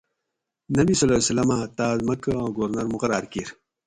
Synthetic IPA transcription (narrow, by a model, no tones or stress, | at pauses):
nɐbisɐlaːsɐlɐmat̪aːzmɐkɐãːɡoːɾnɐɾmuqɐɾaːɾkiːɾ